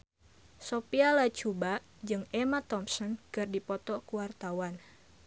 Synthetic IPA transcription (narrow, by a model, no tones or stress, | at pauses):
sopialat͡ʃubaʔ | d͡ʒɨŋɛmat̪ɔmsɔnkɨrdipɔt̪ɔkuwart̪awan